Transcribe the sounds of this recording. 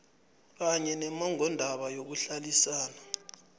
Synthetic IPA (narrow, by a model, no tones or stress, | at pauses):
k̬aɲɛnɛmaŋɔndʱaɓajok̬uɬalisaːna